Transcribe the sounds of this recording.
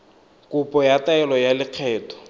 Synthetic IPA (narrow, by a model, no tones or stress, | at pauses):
kʼupʼɔjataɛlɔjalɪq͡χʰɛːtʰɔ̥